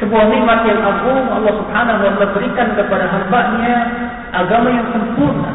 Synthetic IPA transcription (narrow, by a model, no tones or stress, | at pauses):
səbuaniwakiat̪ʔakʊmɑlːɑhsubħanaɦalabəɾikankəpadaɦambaʔɲa | ʔaɡamajaŋsəmpʊrna